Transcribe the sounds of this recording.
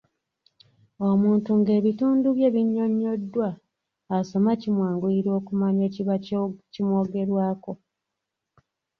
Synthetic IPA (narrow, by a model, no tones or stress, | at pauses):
o̞muːntuŋɡe̞ːβituːnduβje̞ːβiɲːo̞ɲːo̞dːwaː | so̞macimwaːŋɡuiɾo̞ːkumaɲe̞ːciacimwo̞ːɡe̞ɾwaːko̞